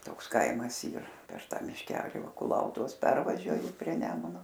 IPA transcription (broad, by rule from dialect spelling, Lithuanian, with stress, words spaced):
ˈtoːks ˈkɐɪmɐs ˈiːr pʲɛr ˈtɑː mʲɪʃʲˈkʲæːlʲɪ ˈʋɐ kʊˈlˠɐʊtʊʋoːs ˈpʲɛrʋɐʒʲuɔjɪ pʲrʲiɛ ˈnʲæːmʊnoː